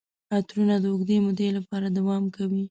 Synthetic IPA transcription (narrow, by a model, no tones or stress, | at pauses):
at̪ɾunad̪əʊɡd̪emʊd̪elapɑɾad̪awɑmkawi